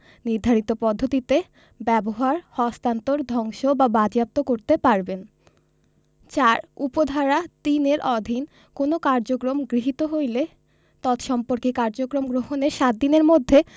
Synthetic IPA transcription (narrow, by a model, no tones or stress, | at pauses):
niɾd̪ʱaɾit̪opɔd̪ʱːot̪it̪e | bɛboɦaɾhɔst̪ant̪oɾd̪ʱɔŋʃobabad͡ʑap̚t̪okoɾt̪epaɾben | t͡ɕaɾupod̪ʱaɾat̪ineɾɔd̪ʱin | konokaɾd͡ʑokɾomɡɾiɦit̪oɦojle | t̪ɔt̪ʃɔmpoɾkekaɾd͡ʑokɾomɡɾoɦoneɾʃat̪̚d̪ineɾmod̪ʱːe